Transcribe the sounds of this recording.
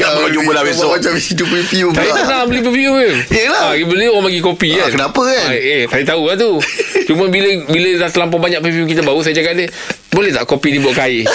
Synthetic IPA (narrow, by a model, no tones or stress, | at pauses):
aɲubəlabeɔmat͡ʃamisit̪upifiut̪ajikənabəlipefiuəelaaɡibədəamaɡikopikankənapəkanet̪ajət̪aukant̪ut͡ʃumə̃biləbiləlat̪əlampabaɲãʔ̚peviuk̬it̪abaus̬ajad͡ʒakatni | bolɛht̪a̰ʔkopinibuaʔkai